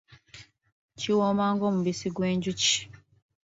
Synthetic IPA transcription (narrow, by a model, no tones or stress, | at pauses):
ciwoːmaːŋɡoːmuβisiɡweːɲɟuci̥